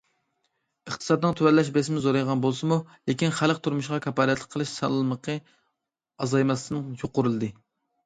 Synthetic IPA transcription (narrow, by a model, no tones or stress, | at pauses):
əχt̪ʰɨ̥sɑd̪nɨŋt̪ʰywɛɾlːɛʃbɛsɪmɪzoɾɑjʁɑnbolˠsɨmulekʲinχælqt̪ʰuɾmuʃqɑkʲʰɑpɑːɾɛt̪ʰlə̥k̚ʲqʰəlˠɨʃsɑ̰lˠːməqʰə | ɑzɑjmɑsɨnɨŋjoqʊɾɨlˠɨd̪ɨ